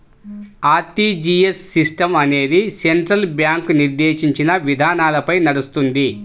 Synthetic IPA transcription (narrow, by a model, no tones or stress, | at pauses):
aːt̪id͡ʒijesːisʈɐmɐne̞ːd̪iseɳʈɾɐlbjaːŋkniɾd̪eːʂiɲt͡ʃinɐʋid̪ʱaːnaːlɐpɐjnɐɽust̪und̪i